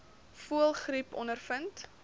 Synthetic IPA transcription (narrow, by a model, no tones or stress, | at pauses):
fuəlˠχripɔ̰nərfənt